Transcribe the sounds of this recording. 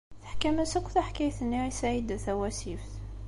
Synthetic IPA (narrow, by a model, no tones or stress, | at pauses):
θə̥ħkæmæsəkʷθæħkæjθənːiɾisaʕid̪θæwæsifθ